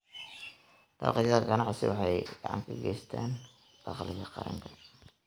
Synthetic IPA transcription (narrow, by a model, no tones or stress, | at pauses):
d̪̥ɑ̰qaːɡɐnɑʕsɪwɑħɑjɡ̥ɑʕɑŋkʰɐɡɛjst̪ʰaːn | b̥ɑqlɪɣɐqɑɾɐŋkʰɐ̥